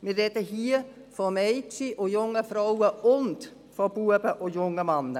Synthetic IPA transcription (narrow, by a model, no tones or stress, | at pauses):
mirɛdəɦiːə | fɔmejtt͡siʔojʊŋəfrowəʊnt | fɔb̥uəbəʔojʊŋəmɑnə